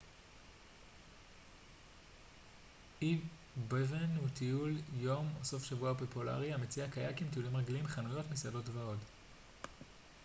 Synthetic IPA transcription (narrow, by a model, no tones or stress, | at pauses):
ʔi | bevenhutiuljo̞moso̞fʃavuapopula̰ʁiamet͡siakajakimt̪̬iulimʁaɡilimχanujo̞tmisado̞tvao̞t